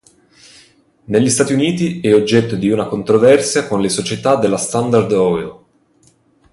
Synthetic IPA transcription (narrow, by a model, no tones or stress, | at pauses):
neʎːist̪aːt̪iuniːt̪iɛod͡ʒːɛt̪ːod̪iunakont̪ɾovɛrsjakonlesot͡ʃet̪ad̪elːast̪and̪ard̪ɔɛl